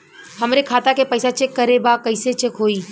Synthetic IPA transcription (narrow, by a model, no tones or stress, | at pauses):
ɦɐmɾekʰaːt̪akepɐɪsat͡ʃɪkːəɾebakɐɪset͡ʃɪkɦoːiː